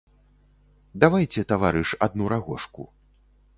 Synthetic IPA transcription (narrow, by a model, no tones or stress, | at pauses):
d̪avajt͡sʲɛt̪avaɾɨʂad̪nuɾaɣɔʂkṵ